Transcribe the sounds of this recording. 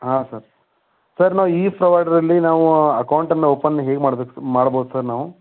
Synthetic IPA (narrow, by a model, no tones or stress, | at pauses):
ɦaːsɐɾ | sɐɾnaːʋuiːpɾɐʋɐjɖɐɾɐlːinaːʋuɐkɐwuɳʈɐnːeoːpɐnːɐɦeːɡemaːɽbeːkumaːɽboːd̪usɐɾnaːʋu